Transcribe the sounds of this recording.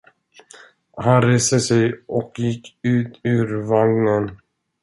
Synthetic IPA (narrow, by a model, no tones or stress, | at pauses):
hanɾeːst̪əsɛjɔkjɪkːʉ̟ːt̪ʰʉ̟ːɾvaŋnən